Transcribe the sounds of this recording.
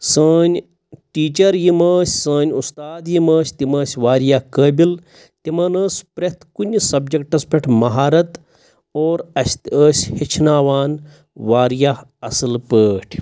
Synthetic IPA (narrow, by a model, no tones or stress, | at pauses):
səːnʲ | ʈiːt͡ʃɐɾjiməːsʲsəːnʲust̪aːd̪jimɐːsʲt̪imɐːsʲʋaːɾjakəːbil | t̪imɐnəːspɾɐt̪kunʲsɐbd͡ʒɐkʈɐspʲeʈʰmɐɦaːɾɐt̪ | oːɾɐst̪əːsʲhit͡ʃʰnaːʋaːn | ʋaːɾja | ɐsɨlpəːʈʰ